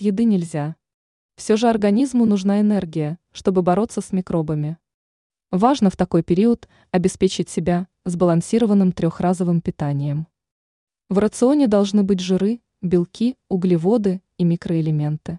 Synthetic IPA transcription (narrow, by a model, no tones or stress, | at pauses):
jɪd̪ɨnʲɪlʲzʲa | fsʲoʐɨɐrɡɐnʲizmʊnʊʐnaɪnɛrɡʲɪjəʂt̪o̞bɨbɐɾo̞t̪sːəsmʲɪkɾo̞bəmʲɪ | vaʐnəft̪ɐko̞jpʲɪɾʲiət̪ | ɐbʲɪspʲet͡ɕɪtʲsʲɪbʲa | zbəlˠɐnsʲiɾəvənːɨmt̪ɾʲo̞xrazəvɨmpʲɪt̪anʲɪjəm | vrət̪sɨo̞nʲɪd̪ɐlˠʐnɨbɨt̬ʲʐɨɾɨ | bʲɪlˠkʲiʊɡlʲivo̞d̪ɨ | imʲikɾəɪlʲɪmʲe̞nt̪ɨ